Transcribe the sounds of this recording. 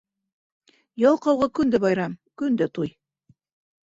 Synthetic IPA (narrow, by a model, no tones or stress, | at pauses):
jɑlˠqɑwʁɑkɵ̆nd̪ɘbɑjɾɑmkɵ̆nd̪ɘt̪uj